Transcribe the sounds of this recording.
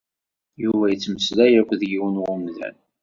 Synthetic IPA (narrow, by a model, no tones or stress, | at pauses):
juvæjət͡sːməslæjækʷːðjiwənwʊmðæ̰n